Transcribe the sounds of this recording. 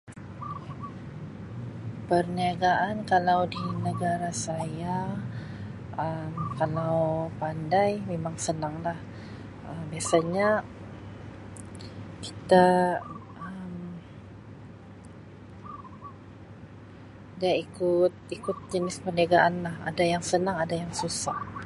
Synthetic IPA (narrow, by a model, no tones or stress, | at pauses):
pərniaɡaʔankalawdinəɡaɾasaja | əmkalawpandajmemaŋsənaŋlah | ʔəmbiasaɲa | ki̥t̪a | əm | daikʊt̪̚ikʊt̪̚d͡ʒənɪspərniaɡaʔanlaha̰dajaŋsənaŋadajaŋsusah